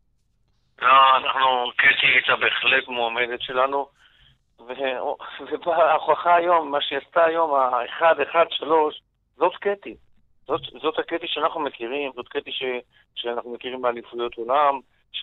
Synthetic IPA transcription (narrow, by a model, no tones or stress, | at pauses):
ɡaanaχnuket̪iit͡sabeeχlekmoamed̪et̪ʃe̞lanu | veovebaːχaχaːjo̞mːaʃejast̪aːjo̞maeχad̪eχad̪ʃalo̞ʃ | zo̞t̪ket̪i | zot̪zo̞t̪haket̪iʃeanaχnumekiʁimzo̞t̪ket̪iʃe | ʃeanaχnume̞kiʁimalifujot̪o̞lam | ʃ